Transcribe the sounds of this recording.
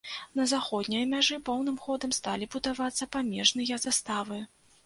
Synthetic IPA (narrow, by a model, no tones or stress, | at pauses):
nɐzaxɔd̪nʲijɐmʲaʐɨpɔwnɨmxɔd̪ɐmst̪alʲibud̪avat̪sːɐpamʲɛʐnɨjɐzast̪avɨ